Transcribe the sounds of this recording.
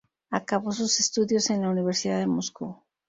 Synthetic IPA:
akaβosusest̪uðjo̞se̞nlauniβ̞e̞ɾsiðaðemoskṵ

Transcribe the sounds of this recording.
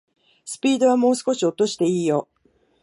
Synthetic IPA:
sɨ̥pʲiːd̪o̞β̞amo̞ːsɨ̥ko̞ɕio̞t̪o̞ɕi̥t̪e̞iːjo̞

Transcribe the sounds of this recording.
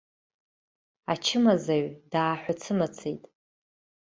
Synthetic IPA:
at͡ʃʰɪmazaɥdaːħʷat͡sʰɨmat͡sʰejtʼ

